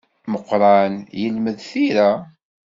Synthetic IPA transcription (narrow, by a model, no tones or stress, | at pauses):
məqːɾˤɑnjəlməðθiɾa